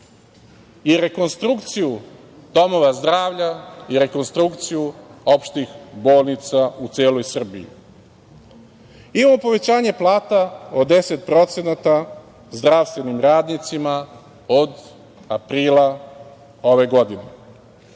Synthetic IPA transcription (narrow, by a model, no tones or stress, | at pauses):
iɾe̞ko̞nst̪ɾukt̪siju | d̪̥o̞mo̞ʋazd̪ɾaːʋʎaiɾe̞ko̞nst̪ɾukt̪sijuo̞pʃt̪ixbo̞ːlˠnit̪saut̪seːlo̞jsr̩biḭ | imamo̞po̞ʋe̞t͡ɕaːɲe̞plˠaːt̪aod̪e̞se̞t̪̚pɾo̞t̪se̞nat̪a | zd̪ɾaʋst̪ʋe̞nimɾaːd̪nit̪sima | o̞d̪ | apɾiːlˠa | o̞ʋe̞ɡo̞d̪ine